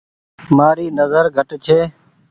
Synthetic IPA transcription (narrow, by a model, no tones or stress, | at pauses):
maːɾiːnəzəɾɡʱəʈt͡ʃʰeː